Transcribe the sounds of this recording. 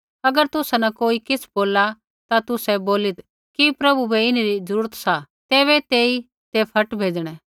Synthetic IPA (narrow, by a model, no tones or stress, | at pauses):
ɐɡəɾt̪ʊsanɐkoːikɪsboːla | t̪at̪ʊsɛboːlɪt̪ | kipɾɐbubɛɪnɾizəɾuːɾət̪sa | t̪eːβɛt̪eːi | t̪epʰɐʈbʱeːd͡ʒɽ̃ɛ